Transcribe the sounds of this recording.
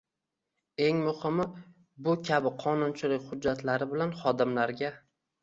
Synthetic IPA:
e̞ŋmʊhɪmɪ | bʊkʲʰabɪqʰɒnʊnt͡ʃʰɪlɪkʲχʊd͡ʒːat̪laɾɪbɪlanχɒd̪ɪmlaɾɡʲa

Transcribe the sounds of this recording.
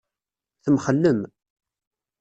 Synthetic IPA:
θəmχəlːəm

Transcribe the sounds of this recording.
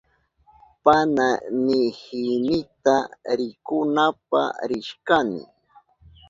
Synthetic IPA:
pananɪhɪnɪt̪aɾɪkʊnap̚a̰ɾɪʃkanɪ̰

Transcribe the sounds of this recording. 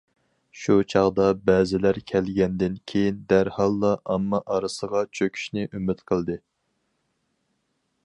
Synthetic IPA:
ʃut͡ʃʰɑʁd̪ɑbɛːzɪlæɾkʲʰɛlɡʲɛnd̪ɪnkʲʰejind̪æɾhɑlˠːɑʔɑmːɑʔɑɾɨsəʁɑt͡ʃʰøkʲʰy̥ʃnɪʔymɪt̪qʰəlˠd̪ɨ

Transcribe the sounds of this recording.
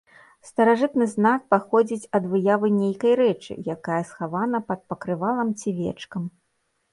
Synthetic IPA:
st̪ɐɾaʐɨt̪nɨznak̚paxɔd͡zʲit͡sʲɐd̪vɨjavɨnʲejkɐjɾɛt͡ʂɨ̰jakajɐsxavanɐpɐt̪̚pɐkɾɨvalˠɐmt͡sʲivʲɛ̰t͡ʂkɐm

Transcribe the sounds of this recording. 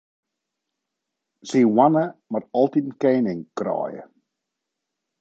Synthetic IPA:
z̥iːwanəmatɔlˠtitn̩keːnɪŋkrɔ̰ːjə̰

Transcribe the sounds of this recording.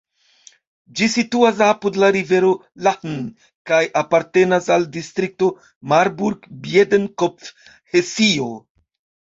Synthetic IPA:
d͡ʒisituas̬apudlaɾive̞ɾo̞ | lahn | kajʔapaɾte̞nasaldist̪ɾik̚to̞ | maɾbuɾɡbjedenkopf | hesio

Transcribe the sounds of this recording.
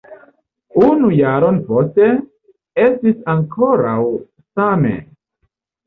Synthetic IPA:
unujaɾo̞npo̞ste̞ | e̞stisaŋkʰo̞ɾaw | same̞̰

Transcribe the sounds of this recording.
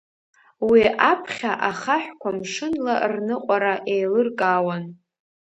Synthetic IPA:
wiʔapʰχʲaʔaχaħʷᶣkʷʰamʂɨnlarnɨqʷʼaɾaʔejlɨrkʼawan

